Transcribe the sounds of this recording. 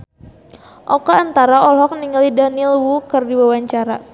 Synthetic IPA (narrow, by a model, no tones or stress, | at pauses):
ʔɔkaːnt̪aɾaɔlɦɔk̚niŋalidanilwukɨrdiwawaɲt͡ʃaɾa